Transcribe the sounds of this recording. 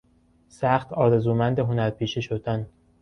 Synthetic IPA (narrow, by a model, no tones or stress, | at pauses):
sæxt̪ʰɒːɾezuːmænd̪eɦo̞næɾpʰiːʃeʃod̪æn